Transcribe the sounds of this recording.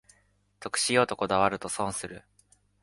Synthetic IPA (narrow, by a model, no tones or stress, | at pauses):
t̪o̞kɯ̟̥ɕijo̞ːt̪o̞ko̞d̪aβaɾɯ̟t̪o̞sõ̞ɰ̃sɨɾɯ̟